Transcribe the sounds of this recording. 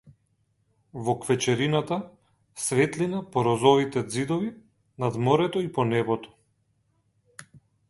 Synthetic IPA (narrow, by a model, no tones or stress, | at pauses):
vɔkvɛt͡ʃɛɾinat̪a | svɛt̪linapɔɾɔzɔvit̪ɛd̪zid̪ɔvi | nad̪mɔɾɛt̪ɔipɔnɛbɔt̪ɔ̥